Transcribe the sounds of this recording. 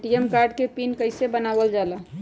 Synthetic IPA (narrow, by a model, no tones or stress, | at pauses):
ʈiemkaɾɖkepinkəjsebənabəld͡ʒalə